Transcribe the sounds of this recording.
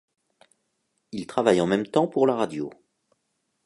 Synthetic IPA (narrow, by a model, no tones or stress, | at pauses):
ilt̪χavajɑ̃mɛmt̪ɑ̃puʁlaʁad̪jo